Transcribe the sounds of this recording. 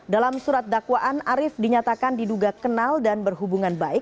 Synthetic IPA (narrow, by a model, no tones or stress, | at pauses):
dalamsuɾat̪̚dakwaʔanʔaɾɪfdiɲat̪akandiduɡakənaldanbərɦubuŋanbaɪk̚